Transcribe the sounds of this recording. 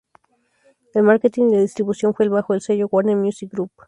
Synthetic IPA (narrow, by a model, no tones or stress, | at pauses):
elmaɾket̪inilaðist̪ɾiβusjo̞nfwelβaxoelseʝowaɾnemjusik̚ɡɾup